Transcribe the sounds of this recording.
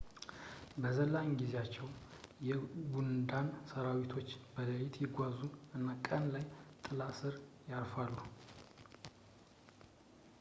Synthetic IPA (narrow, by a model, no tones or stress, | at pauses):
bəzəlːaŋɡizeat͡ʃːɛwjɛɡund̪ansəɾawit̪ʰo̞t͡ʃːbələjit̪ʰjɪɡʷazuʔɨnːakʼənlajt̪ʼɨlasɨɾjaɾfalːu